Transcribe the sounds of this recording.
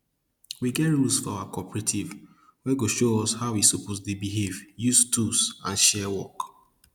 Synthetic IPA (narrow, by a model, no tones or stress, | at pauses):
wiɡɛtɹulsfɔaʊakɔpɹetʰiv | wɛɡoʃoɔshaʊwisupotdebiɦevjustusã̰nʃɛwɔ̰k